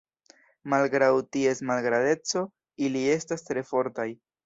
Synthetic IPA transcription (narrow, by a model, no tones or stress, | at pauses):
malɡɾawtie̞smalɡɾade̞t͡so̞ | ilie̞stastɾe̞fo̞ɾtaj